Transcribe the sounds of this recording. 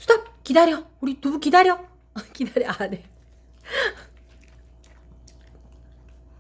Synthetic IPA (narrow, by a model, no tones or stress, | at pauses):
sʰu̥d̪akkidaɾjʌuɾit̪uukidaɾjʌ | kidaɾjʌane